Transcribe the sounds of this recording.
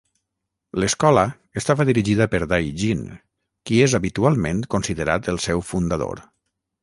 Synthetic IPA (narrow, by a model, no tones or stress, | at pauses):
ləskɔlə | əst̪aβəðiɾiʒiðəpəɾd̪ajʒin | kiezaβit̪ualˠmẽnkonsiðəɾat̪əlˠsɛwfund̪aðo̰ɾ